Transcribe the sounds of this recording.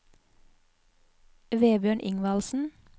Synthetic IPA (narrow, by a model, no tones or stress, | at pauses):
ʋeːbjøːɳʔɪ̰ŋʋɑlsn̩